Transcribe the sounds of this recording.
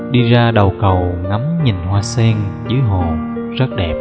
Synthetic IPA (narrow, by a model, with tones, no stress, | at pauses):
ɗi˧zaː˧ɗə˨˩wkə˨˩wŋa˨˦mɲi˨˩nhwaː˧sɛ˧ŋzɨ˨˦jɦo˨˩ | zə˦˥t̚ɗɛ˨˩p̚